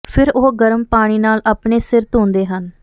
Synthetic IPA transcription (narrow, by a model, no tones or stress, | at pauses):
pʰɪɾoɦɡəɾmpaːɽ̃iːnaːlʔaːpɳeːsɪɾt̪õːnd̪eːɦən